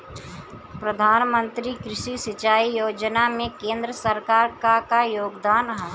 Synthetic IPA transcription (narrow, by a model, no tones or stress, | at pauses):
pɾəd̪ʱaːnmə̃nt̪ɾikɾɪʃisɪt͡ʃaːijoːd͡ʒnamẽkẽːnd̪ɾəsəɾkaːɾkakajoːɡd̪aːnɦɛ